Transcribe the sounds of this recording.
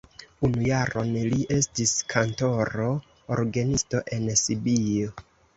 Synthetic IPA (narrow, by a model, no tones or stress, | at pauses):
unujaɾo̞nliʔe̞stiskʰanto̞ɾo̞ | o̰ɾɡenisto̞ʔe̞nsibijo